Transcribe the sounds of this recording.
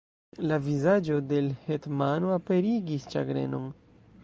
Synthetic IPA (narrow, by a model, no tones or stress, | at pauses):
lavizad͡ʒo̞de̞lhetmanoape̞ɾiɡist͡ʃa̰ɡɾe̞̰no̞̰n